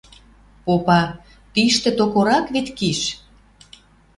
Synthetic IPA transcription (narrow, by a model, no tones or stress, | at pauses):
popɑ | p̪iʃt̪ĕt̪okoɾɑkβit̪kiʃ